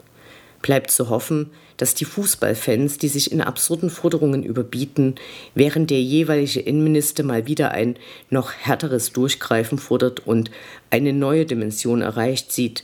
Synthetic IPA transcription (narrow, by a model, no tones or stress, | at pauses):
b̥laɪptt͡suɦɔfn̩ | d̥asd̥iːfuːsb̥a̰lfɛnsd̥iːzɪçɪna̰bz̥ʊɐdn̩fɔɐdəʁ̞ʊŋənʔy̰ːbɐbiːtn̩vɛːʁ̞ənt̚d̥eːɐjeːvaɪlɪɡəʔɪnənmɪnɪstɐmaːlviːdɐʔa̰ɪnːɔχhɛɐtəʁ̞əsd̥ʊɐçɡ̥ʁ̥aɪfn̩fɔɐdɐtʊntʔaɪnənɔʏədimɛnzjoːnɛ̰ɐʁaɪçtz̥iːt